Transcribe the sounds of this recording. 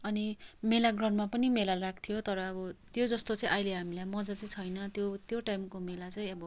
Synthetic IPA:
ʌnimelaɡrʌnmapʌnimelarak̚ʰt̪ʰijot̪ʌɾʌːbʌt̪jod͡zʌst̪ot͡sʌ̃ĩʔʌjleɦamilajmʌd͡zʌt͡sʌĩt͡sʰʌjnʌt̪jot̪joʈajmkomelat͡sʌĩʌbʌ

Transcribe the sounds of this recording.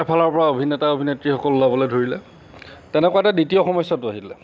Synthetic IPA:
ɛpʰalɔɹpɔɹaobʱinɛtaobʱinetɹixɔkɔlʊzabɔlɔdʱoɹilɛ | tɛnɛkʊwataditiɔxɔmɔjsːɔtʊaɦilɛ

